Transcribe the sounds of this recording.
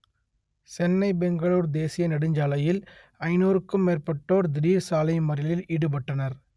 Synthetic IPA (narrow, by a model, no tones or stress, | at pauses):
sɛnːɐɪbɛŋɡɐɭuːɾd̪eːsɪjɐnɐɽɯɲd͡ʒaːlɐjɪl | ɐɪnoːɾɯkːɯmːeːrpɐʈːoːɾd̪ɪɾiːɾsaːlɐɪmɐɾɪlɪliːɽɯpɐʈːɐnɐɾ